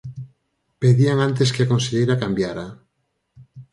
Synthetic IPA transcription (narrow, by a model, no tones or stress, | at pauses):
peðiaŋant̪̬eskeakonseʎejɾakambjaɾa